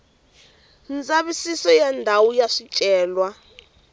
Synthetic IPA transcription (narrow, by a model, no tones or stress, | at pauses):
nd͡zʼaɓisisɔjɛndʱawujaʂit͡ʃʼɛːlwa